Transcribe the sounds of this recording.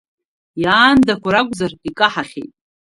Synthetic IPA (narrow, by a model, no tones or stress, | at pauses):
jaːndakʷaɾakʷʼzarikʼaħaχʲejtʼ